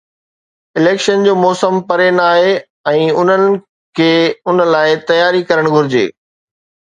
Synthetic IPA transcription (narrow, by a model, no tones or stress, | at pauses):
ɪleːkʃənd͡ʑoːmɔːsəmpɐɾenaːɦe | ɛ̃ːʊn̤ənɪ̆ | kʰeːʊnə̆laːɪt̪ɐjaːɾikɐɾəɽ̃ɡʱʊɾɪd͡ʑḛː